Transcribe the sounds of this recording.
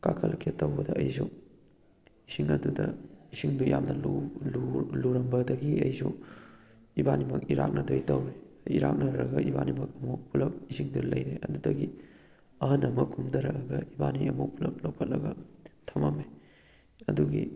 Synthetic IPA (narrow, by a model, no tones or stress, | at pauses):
kakʰɐlɐkʰetːɐwbɐdɐɐjsu | isiŋɐdudɐisiŋdujamnɐlulluɾɐmbɐdɐɡiɐjsu | ibanimɐkiɾa̰k̚nɐdojtɐwe | iɾak̚nɐɾɐɡɐibanimɐkɐmupʰulɐp̚isiŋdulɐjɾeɐdudɐɡi | ɐɦɐnɐmɐkʰumdɐɾɐɡɐibaniɐmupʰulɐp̚lɐwkʰɐt̚lɐɡɐtʰɐmɐme | ɐduɡḭ